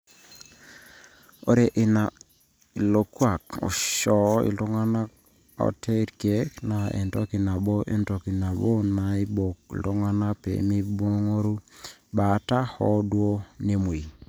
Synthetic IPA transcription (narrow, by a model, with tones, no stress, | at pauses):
o̰˦ɾe˨ʔɪ˨na˨ | i˨lo˨kwa˨ko̰˨ʃɔ˨˦ḭ˨lo˦ŋa˦na˦k | ɔ̰˦tʰe˦ɾke˦kna˨ḛ˨ntɔ˦ki˨na˨bo˦ʔḛ˨nto˨ki˨na˨bo˦na˨i˦bo˨kltɔ˦ŋa˦na˦pḛ˨mi˦bo˦ŋo˦ɾu˦ba˨˦ta˦hɔ˦dwo˦ne˦mu˨i˨